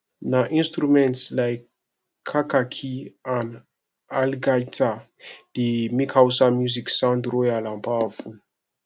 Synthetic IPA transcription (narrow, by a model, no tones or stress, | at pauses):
naʔĩnstɾumɛ̃ntslajkʰː | akakʰiãn | alɡajtʰa | d̥imikʰawsamjuziksãndɾojalãmpafu